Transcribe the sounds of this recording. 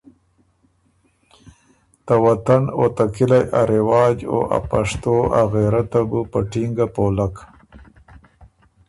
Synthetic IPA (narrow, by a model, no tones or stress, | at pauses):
t̪awat̪anot̪akɪlajʔaɾɪwɑːd͡ʒo̰ʔa̰paʂt̪oa̰ɣeɾat̪abupəʈiŋɡapolak